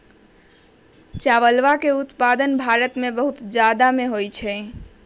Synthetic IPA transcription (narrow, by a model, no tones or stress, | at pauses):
t͡ʃaʋəlʋakeut̪pad̪ənbʱaɾət̪mebəɦut̪d͡ʒjad̪ameɦojt͡ʃʰɛ